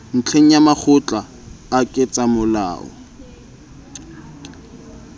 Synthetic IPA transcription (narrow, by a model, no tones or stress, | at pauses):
n̩t͡ɬʰeŋ̩jamak͡xʰʊt͡ɬʼaː | kʼɪt͡sʼamʊla̰ːʔɔ̰